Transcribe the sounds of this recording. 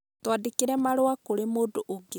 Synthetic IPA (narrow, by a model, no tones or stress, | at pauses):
twadekeɾɛmaɾoakoɾemoːdoʔoɡe